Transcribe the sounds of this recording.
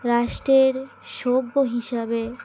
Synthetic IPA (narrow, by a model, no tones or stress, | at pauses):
ɾaʃʈɾeɾ | ʃobːoɦiʃabe